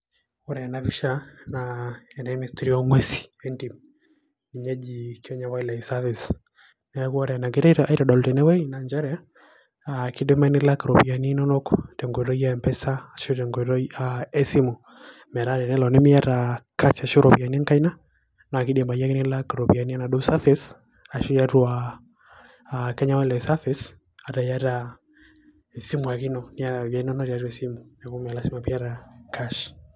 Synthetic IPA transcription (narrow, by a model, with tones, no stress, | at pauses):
wɔ˦ɾɛ˨na˨vi˦ʃa˦naɛ˨na˨˦mi˨stiɾi˦ɔ˦ŋwɛ˦si̥˨ɛ˦nti˨m | ni˨ɲɛ˦d͡ʒi˨kjɔ˦ɲa˨wai˦la˨isa˦vi˨s | na˨ɛ˦ku˦ɔ˦ɾɛ˨na˨ɡɛ˨ɾa˦i˦ɾa˨ɗɔ˨ltɛ˨nɛ˦wɛ˦ina˨ɲd͡ʒa˦ɾɛ˦a˦ | aki˦de˦ma˦ni˦la˦ka˨ɾɔ˨pi˨a˨ni˦nɔ˦nɔ˦kɔ̥tɛ˨ŋɡɔ˨ɾɔ˦ja˦ɛ˨mpɛ˦saː˦ʃo˦tɛ˨ŋɡɛɾɔ˦aɛ˦si˦mɔ˨ | mɛ˨ɾaɾɛ˨nɛ˦lɔ˨nɛ˦mi˦a˦ɾa˨ka˦ʃa˨ʃɔ˦ɾɔ˨bi˨a˨ni˦a˦ŋka˦i˦na˦ | na˨ki˦dɛ˨ma˨ja˦ki˦ni˦la˦ka˨ɾɔ˨bi˨a˨ni˦a˦na˨dɔ˦sa˦fɛ˦s | a˨ʃi˦ja˦tu˦a | kɛ˦ɲa˦wɛ˦lɛ˨sa˦fɛs | a˨da˨ja˦ɾa | ɛ˨si˦mu˨a˨ki˦nɔ˦ni˦a˦˨ja˨i˦nɔ˦nɔ˦ɾa˨ɾɛ˨si˦mumɛ˨ku˦ma˨lasi˦ma˨pi˦a˦ɾakʰa˦ʃ